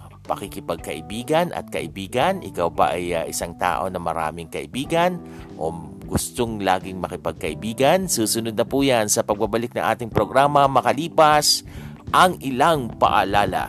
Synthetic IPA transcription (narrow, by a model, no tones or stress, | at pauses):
pɐkɪkɪpɐɡ̚kɐʔɪbiːɡɐnʔɐ̰t̪̚kɐʔɪbiːɡɐnʔɪkawpɐ̰ʔɐjaʔɪsaŋt̪a̰ːʔo̞̰nɐmɐ̰ɾa̰ːmɪŋkɐʔɪbiːɡɐn | ʔo̰ | ɡ̥ʊst̪oŋlaːɡɪŋmɐkɪpɐɡ̚kɐʔɪbiːɡɐnsuːsʊnʊd̪̚nɐpuːjansɐpɐɡ̚bɐbɐlɪk̚nɐ̰ŋʔa̰ːt̪ɪŋpɾoɡɾaːmɐmɐkɐliːpɐsʔɐŋʔɪlaŋpɐ̰ʔalaːlɐ̰